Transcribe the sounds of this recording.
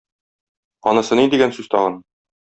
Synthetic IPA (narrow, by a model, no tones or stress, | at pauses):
ɒnɤ̆sɤnid̪iɡænsʉz̥t̪ɒʁɤn